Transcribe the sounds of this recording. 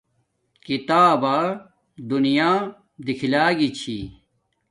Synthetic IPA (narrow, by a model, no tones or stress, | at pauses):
kit̪aːbaː | d̪unijaː | d̪ikʰilaːɡit͡ɕʰḭ